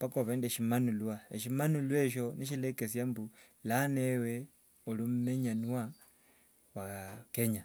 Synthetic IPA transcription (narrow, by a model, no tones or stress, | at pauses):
pakoβeːndeʃimanulwaeʃimanulweʃ̬o̞niʃilekesjambu | lanewe | olumumeɲanwa | wakeɲa